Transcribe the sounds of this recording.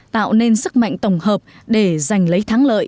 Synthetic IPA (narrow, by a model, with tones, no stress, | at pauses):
t̪a̰ː˧˨wne˧nsɨ˦˥k̚ma̰˧˨jŋ̟t̪ə˧˩wŋ͡mhəː˨˩p̚ | ɗe˧˩za˨˩jŋ̟lə˨˦jt̪ʰaː˨˦ŋlə̰ː˧˨j